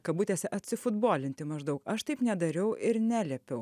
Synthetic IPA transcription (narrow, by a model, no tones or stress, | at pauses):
kɐbuːt̪ʲeːsʲɛʔɐt̪ʲsʲɪfʊd̪boːlʲɪnʲt̪ʲɪmɐʒd̪ɐʊkɐʃt̪ɐɪpnʲɛd̪ɐɾʲɛʊʔɪɾnʲæːlʲɛpʲɛʊ